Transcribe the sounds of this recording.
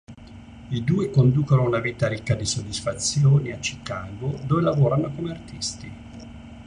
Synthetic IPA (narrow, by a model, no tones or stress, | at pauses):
id̪uːekond̪uːkonounaviːt̪aɾikːad̪isod̪ːisfat̪sːjoːniat͡ʃːikaːɡod̪oːvelavoːɾanokomeart̪ist̪i